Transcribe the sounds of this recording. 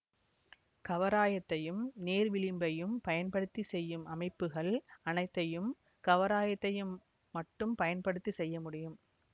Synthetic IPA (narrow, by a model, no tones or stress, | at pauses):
kɐʋɐɾaːjɐt̪ːɐjɯmneːɾʋɪlɪmbɐjɯmpɐjɐnpɐɽɯt̪ːisɛjːɯmɐmɐɪpːɯɣɐɭɐnɐɪt̪ːɐjɯm | kɐʋɐɾaːjɐt̪ːɐjɯmː | ɐʈːɯmpɐjɐnpɐɽɯt̪ːisɛjːɐmʊɽɪjɯm